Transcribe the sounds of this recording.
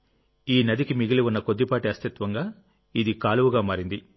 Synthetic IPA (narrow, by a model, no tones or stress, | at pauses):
iːnɐd̪ikimiɡiliunːɐko̞d̪ːipaːʈiɐst̪it̪ʋɐŋɡaː | id̪ikaːluʋuɡaːmaːɾind̪i